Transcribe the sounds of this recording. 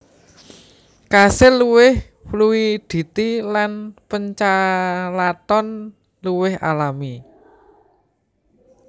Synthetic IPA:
kasɪlːuwɪh | pluwid̪̥i̤t̪ilanpəɲt͡ʃalat̪ɔn | luwɪha̰lami

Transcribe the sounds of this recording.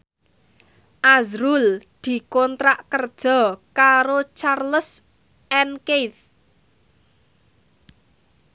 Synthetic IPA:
ʔazɾuld̪̥i̤kɔnt̪ɾaʔkərd̥ʒ̥ɔ̤kaɾot͡ʃarləs | ʔɛnket̪

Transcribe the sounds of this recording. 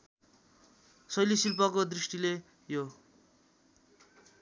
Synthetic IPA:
sʌjlisilp̬ʌkod̪risʈile | jo

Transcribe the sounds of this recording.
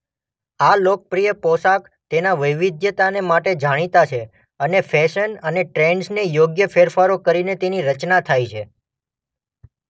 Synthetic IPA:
alok̚pɾijəpɔsak | t̪enaʋəjʋid̪jət̪anemaʈed͡ʒʱaɽ̃it̪at͡ʃʰe | ənefʰɛʃənəneʈɾeɳɖsnejoɡjəfeɾfaɾokəɾinet̪eniɾət͡ʃnat̪ʰajt͡ʃʰe

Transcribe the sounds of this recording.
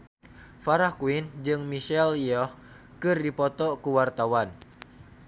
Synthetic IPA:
faɾahkuind͡ʒɨŋmiʃɛliɔh | kɨrdipɔt̪ɔkuwart̪awan

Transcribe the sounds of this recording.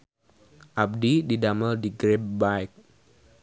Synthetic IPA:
ʔab̚dididaməldiɡɾep̚bajk̚

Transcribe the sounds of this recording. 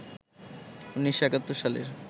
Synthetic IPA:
unːiʃːoɛkat̪ːoɾʃalḛɾ

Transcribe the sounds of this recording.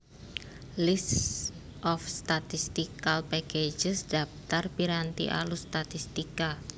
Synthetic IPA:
list | ʔɔfst̪at̪ist̪ikalpɛked͡ʒəsdaft̪arpiɾant̪ḭʔa̰lust̪at̪ist̪ika

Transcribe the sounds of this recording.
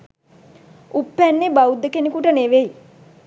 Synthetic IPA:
upːænːebaud̪ːəkenekuʈəneʋej

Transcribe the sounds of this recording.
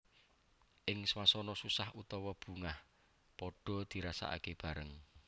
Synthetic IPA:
ʔɪŋswasɔnɔsusahʔut̪ɔwɔb̥ṳŋah | pɔɖ̥ɔ̤d̪̥i̤ɾasa̰ʔa̰keb̥a̤ɾəŋ

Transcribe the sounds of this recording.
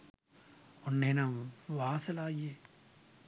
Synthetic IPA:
onːeːnɐmʋaːsɐlaːje

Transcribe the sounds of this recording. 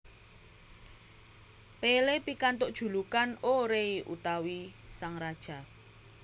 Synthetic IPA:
pelepikant̪ʊʔd̥ʒ̥ṳlukanoɾeiʔṵt̪awisaŋɾad̥ʒ̥a̤

